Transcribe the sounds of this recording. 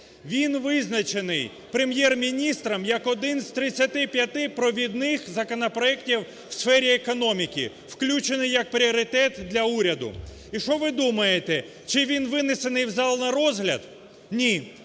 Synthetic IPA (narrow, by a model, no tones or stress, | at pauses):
ʋʲinʋɪznɐt͡ʃenɪj | pɾemjɛrmʲinʲist̪ɾɐmjɐkɔd̪ɪnz̥t̪ɾɪt͡sʲːɐt̪ɪpʲjɐt̪ɪpɾɔʋʲid̪nɪxzɐkɔnɔpɾɔɛktʲiw | wsfɛɾʲiekɔnɔmʲikʲḭ | wklʲut͡ʃenɪjːɐk̚pɾʲiɔɾʲɪt̪ɛt̪d̪lʲɐuɾʲɐd̪ʊ̰ | iʃɔʋɪd̪umɐjet̪ɛ | t͡ʃɪʋʲinʋɪnesenɪjwzɑlˠnɐɾɔzɦlʲɐ̰d̪ | nʲi